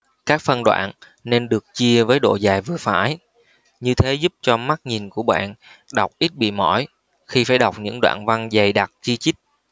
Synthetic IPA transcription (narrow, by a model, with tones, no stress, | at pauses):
kaː˦˥k̚fə˧nɗwa̰ː˧˨n | ne˧nɗɨ˨˩ək̚t͡ɕi˧əvəː˨˦jɗo̰˧˨zaː˨˩jvɨ˨˩əfaː˧˩j | ɲɨ˧t̪ʰe˨˦zu˦˥p̚t͡ɕɔ˧ma˦˥t̚ɲi˨˩nku˧˩əɓa̰ː˧˨nɗa˨˩wk͡p̚ʔi˦˥t̚ɓḭ˧˨mɔ˧˩j | xi˧faː˧˩jɗa˨˩wk͡p̚ɲɨ̰˧˥ŋɗwa̰ː˧˨nva˧nzə˨˩jɗa˨˩t̚t͡ɕi˧t͡ɕi˦˥k̚